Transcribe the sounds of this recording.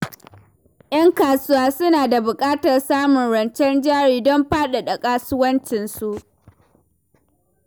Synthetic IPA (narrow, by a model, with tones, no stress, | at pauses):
ʔj̰ɐ˦ŋkaː˨sʊ˦waː˦sʊ˦naː˨da˨bʊ˨kʼaː˦tɐ˨rsaː˦mʊ˨nɽɐ˨nt͡ʃɛ˦nd͡ʒaː˦ɽiː˨dɔ˦mɸaː˦ɗa˨ɗɐ˨kʼaː˦sʊ˦wɐ˦nt͡ʃɪ˨nsu˨ʔ